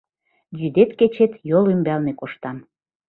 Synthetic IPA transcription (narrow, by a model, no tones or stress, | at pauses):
d͡ʑyd̪et̪ket͡ɕet̪jolymbælnekoʃt̪ɑn